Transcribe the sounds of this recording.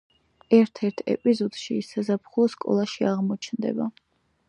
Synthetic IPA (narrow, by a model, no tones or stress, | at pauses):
ɛɾt̪ʰɛɾt̪ʰɛ̰pʼizɔd̪̥ʃiːsazapχulˠɔskʼɔ̰lˠaʃiaʁmɔt͡ʃʰnd̪ɛ̰ba